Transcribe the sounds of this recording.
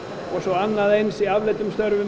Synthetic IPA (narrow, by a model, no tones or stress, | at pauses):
ɔɣsɔanːaðejnsiavlɪt̪ʏmst̪œɾvʏ